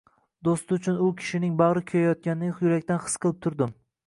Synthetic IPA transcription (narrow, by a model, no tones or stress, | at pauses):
d̪ost̪ɪʊt͡ʃʰʊnʊkʲʰɪ̥ʃɪnɪŋbɑʁɾɪkʲʰojajɒt̪̚kʲanɪnɪjʊɾakʲt̪anχɨ̥sqʰɨlˠɪp̚t̪ʰʊɾd̪ɪm